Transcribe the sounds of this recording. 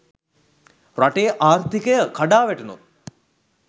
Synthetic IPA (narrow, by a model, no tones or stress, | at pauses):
raʈeːʔaːrt̪ikəjəkaɖaːʋæʈunṵ